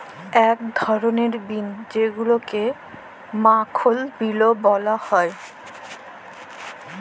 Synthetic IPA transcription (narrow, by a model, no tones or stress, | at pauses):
ɛk̚d̪ʱɔɾoneɾbind͡ʑeɡuloke | makʰolbilobɔlahɔe